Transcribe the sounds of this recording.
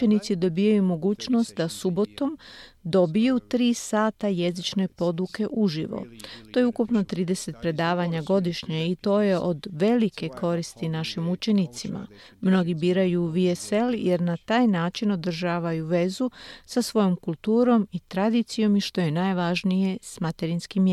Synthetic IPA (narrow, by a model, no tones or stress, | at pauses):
enit̪sid̪o̞bijajumo̞ɡuːt͡ʃno̞st̪̚d̪asubo̞t̪o̞md̪o̞bijut̪ɾiːsaːt̪aje̞zit͡ʃne̞po̞d̪uke̞ʔuʒḭʋo̰tt̪o̞ːjeukupno̞t̪ɾiːd̪e̞se̞t̪̚pɾe̞d̪aːʋaɲaɡo̞d̪iʃɲeit̪o̞ːjeʔo̞d̪ʋe̞like̞kʰo̞ɾist̪inaʃimut͡ʃe̞nit̪sima̰ | mno̞ɡibiːɾajuːʋiese̞ljeɾnat̪aːjnaːt͡ʃino̞d̪r̩ʒaːʋajuʋe̞zusasʋo̞jo̞mkulˠt̪uːɾo̞mit̪ɾad̪it̪sijo̞miʃt̪o̞jenajʋaʒnije̞smat̪eɾinskim